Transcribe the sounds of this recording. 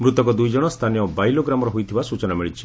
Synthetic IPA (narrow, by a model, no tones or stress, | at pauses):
mɾut̪ɔkɔd̪ujd͡ʒɔɽ̃ɔst̪ʰanijɔbajloɡɾamɔɾɔɦujt̪ʰibasut͡ʃɔnamiɭit͡ʃʰi̥